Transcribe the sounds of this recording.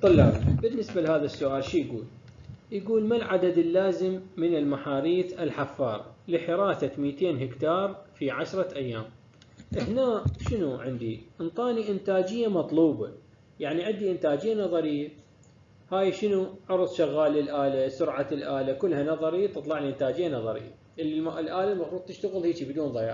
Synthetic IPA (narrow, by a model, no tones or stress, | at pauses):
t̪ˤɑlːɑbɪnːɪsbalhaːðasːʊʔaːlʃiːjɡṵːl | jɡuːlmalʕad̪ad̪ɪlːaːzɪmːɪnɪlmaħaːɾiːθɪlħafːɑːɾˤɑ̰lɪħɪɾˤɑːθamiːt̪eːnɦɪkt̪ɑːɾˤfiʕaʃɾˤɑʔajːaːm | ʔɪhnaːʔʃɪnuʕɪnd̪iʔɪnt̪ˤɑːniʔɪnt̪aːd͡ʒɪjːamɑt̪ˤluːbɑ | jaʕniʕɪnd̪iʔɪnt̪aːd͡ʒɪjːanɑðˤɑɾɪjːa | haːjʃɪnuʕʊɾˤsˤʃaɣːaːlɪlʔaːlasʊɾʕalʔaːlakʊlːhanɑðˤɑɾit̪ɨt̪ˤlɑʕliʔɪnt̪aːd͡ʒɪjːanɑðˤɑɾɪ̰jːa̰ | ʔlʔaːlalmɑfɾuːðˤt̪ɪʃt̪aɣɪlhiːt͡ʃibɪd̪uːnðˤɑjɑ̰ː